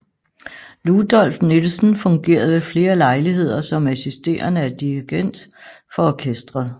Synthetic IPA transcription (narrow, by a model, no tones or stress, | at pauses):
lud̥ɒ̽l̰fne̝d̥l̩sn̩fɔ̽ŋɡ̥e̝̰ːɐð̞̩ˠʋe̝fle̝ːɐlɑ̈ɪliɦe̝ð̞̰ˠɐsɒ̽mæsisd̥e̝̰ːɐnəæd̥iʁiɡ̥en̰d̥ | fɒ̽ɒkʰesd̥ʁɐð̩ˠ